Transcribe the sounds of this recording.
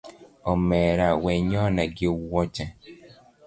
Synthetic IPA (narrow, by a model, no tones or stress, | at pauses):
ɔmɛɾawɛɲɔnaɡɪwɔt͡ʃɛ